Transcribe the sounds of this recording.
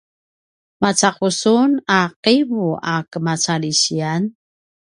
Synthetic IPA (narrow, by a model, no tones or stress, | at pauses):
mat͡saqusunaqiβuakəmat͡saliɕian